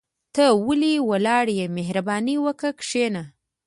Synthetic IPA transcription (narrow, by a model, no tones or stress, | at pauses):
t̪əwəliwalɑɽjemeɦɾabɑniwəkəkʂena